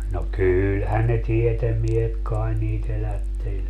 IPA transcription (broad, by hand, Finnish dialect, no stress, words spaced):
no kyːlhæn ne tietemːiehet kɑen niːt elætːelʲ